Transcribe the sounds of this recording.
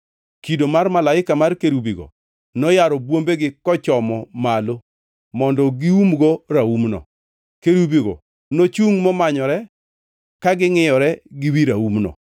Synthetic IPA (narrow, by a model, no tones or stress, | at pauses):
kidomarmalaɪkamarkeɾubiɡo̰ | nɔjaɾɔbwombeɡɪkɔt͡ʃɔmɔmalo | mɔndɔɡiumɡoɾaumnɔ̰ | keɾubiɡɔ̰ | not͡ʃuŋmɔmaɲɔɾɛ | kaɡɪŋɪjɔɾɛɡɪwiɾaumnɔ̰